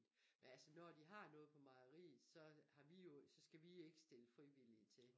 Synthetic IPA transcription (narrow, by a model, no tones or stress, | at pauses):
menælsənɒd̥iɦɑ̈nɔ̽ːðˠpʰɒ̽mɑ̈ɐʁḭːð̩ˠsɒ̽hɑ̈ʋijo̝sɒ̽sɡ̥æʋie̝ɡ̥ə̥sd̥e̝ləfʁiʋil̰it͡sʰe̝